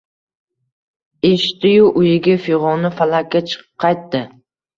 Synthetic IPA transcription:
eʃt̪ɪjʊʔʊjɪɡʲafɪʁɒnɪfalakʲːat͡ʃʰɨ̥qʰːɑjt̪ːɪ

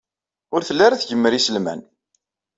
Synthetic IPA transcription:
ʊɾθəlːaɾaθʝəmːəɾisəlmæ̰n

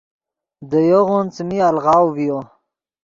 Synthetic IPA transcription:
d̪əjoɣunt͡smialʁɑwvijo

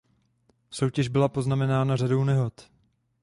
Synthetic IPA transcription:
so̞wcɛʒbɪlapo̞znamɛnaːnarado̞wnɛɦo̞t̪

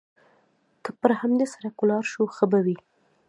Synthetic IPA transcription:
kəpəɾhamd̪esaɾakʊlɑɾʃuxəbawi

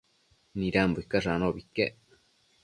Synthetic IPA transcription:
nĩɾambukːaʐanobikːe

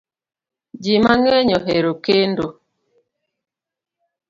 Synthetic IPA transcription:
d͡ʒimaŋɛɲɔɦeɾokendo

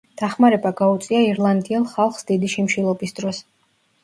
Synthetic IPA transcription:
d̪̥aχmaɾɛbaɡaut̪sʼiaiɾlˠand̪iɛlˠχalˠχsd̪id̪iʃimʃilˠɔbisd̪̥ɾɔs

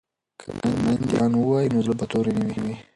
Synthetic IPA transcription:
kʰəanmand̪jɑnwəwɑjinozəbat̪oɾenawiwi

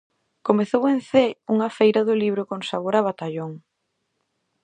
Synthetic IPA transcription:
komeθowẽnθeuŋɐfejɾɐðʊliβ̞ɾʊkõnsaβoɾaβat̪aʎoŋ

